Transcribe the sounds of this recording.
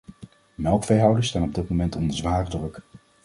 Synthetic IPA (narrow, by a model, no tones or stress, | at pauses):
mɛlˠkfejɦʌwdəstaːnɔb̚dɪt̚momɛntɔndəɹzʋaːrdrɵk